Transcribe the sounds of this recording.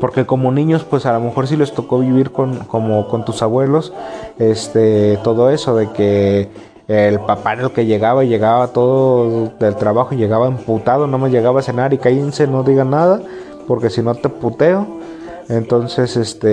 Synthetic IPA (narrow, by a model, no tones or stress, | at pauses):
po̞ɾke̞komo̞nĩɲo̞spwe̞salome̞xo̞ɾs̬ilo̞st̪o̞ko̞βiβiɾkonko̞moko̞nt̪usaβwe̞lo̞sest̪et̪o̞ðo̞e̞so̞ðe̞ke̞ | lpapaðelke̞ʝe̞ɣaβaʝe̞ɣaβat̪o̞ðod̪e̞lt̪ɾaβaxoʝe̞ɣaβaemput̪aðonamazʝe̞ɣaβase̞naɾikajenseno̞ðiɣanaða | po̞ɾke̞sino̞t̪eput̪e̞o | ent̪o̞nse̞sest̪e